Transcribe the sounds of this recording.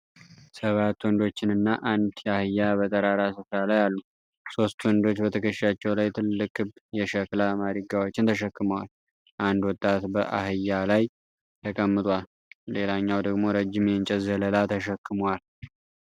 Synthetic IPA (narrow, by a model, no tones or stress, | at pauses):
səβat̪ːwɔnd̪o̞t͡ʃːɪnɨnːaʔand̪jɛahɨjːaβət̪ʼəɾaɾasɨfɾalajalːu | so̞st̪wɔnd̪o̞t͡ʃːbət̪ʰəkʰəʃʃat͡ʃːɛwlajt̪ʰɨlːɨkʼːɨbjɛʃɛklamad̪iɡawo̞t͡ʃːɪnt̪ʰəʃɛkːɨməwal | ʔand̪wɔt̪ʼːat̪bəʔa̰hɨjːalaj | t̪ʰəkʼəmːɨt̪ʼwal | le̞laɲːawd̪əɡmo̞ɾəd͡ʒːɪmjɛnt͡ʃʼɛzələlat̪ʰəʃɛkːɨmwal